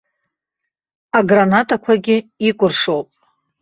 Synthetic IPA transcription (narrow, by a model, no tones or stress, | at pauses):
aɡranatʼakʷʰaɡʲɪikʷʼʊrʂowpʼ